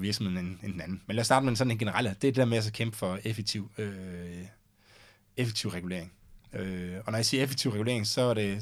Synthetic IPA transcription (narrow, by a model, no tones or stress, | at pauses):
ʋiɐɡ̥sm̩heð̰ˠn̩enend̥enænn̩menlæːɐsdɑ̈ːdəmeensɒ̽nenɡ̥e̝nəʁɑ̈l̰d̥eɐd̥ed̥ɛɐmeæs̬ɒ̽kʰemb̥əfɒ̽efeɡ̥̚t͡sʰiʊ̰ø | efeɡ̥̚t͡sʰiʊ̰ʁɛɡ̥ule̝̰ɐ̰e̝ŋ | øɒ̽nɒjɑ̈siːɐefe̥ɡ̥̚t͡sʰiʊʁɛɡ̥ule̝ɐeŋsɒ̽æɐɾe̝